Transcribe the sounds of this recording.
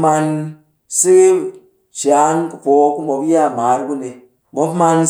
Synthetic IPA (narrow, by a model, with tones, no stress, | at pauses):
ma˧n | si˦ki˦ | t͡ʃa˨˦nkɨ˨po˨˦ku˦mo˨kja˦˨ma˨˦ɾɡu˦ne˨ | mo˨˦pma˧n